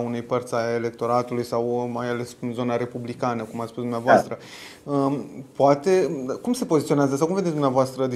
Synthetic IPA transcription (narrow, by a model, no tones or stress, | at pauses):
unejpərt̪sʲaele̞k̚t̪o̞ɾat̪ulujsawmajale̞snzo̞naɾe̞publikanəkumat̪spuzd̪umneavoast̪ɾə | əpoat̪e̞kumse̞po̞zit̪sio̞neazəs̬awkumveesd̪umneavoast̪ɾəd̪i